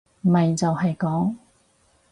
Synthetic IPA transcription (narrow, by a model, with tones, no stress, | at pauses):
m˨mɐ˨jt͡sɐ˨wɦɐ˨jkɔː˨˥ŋ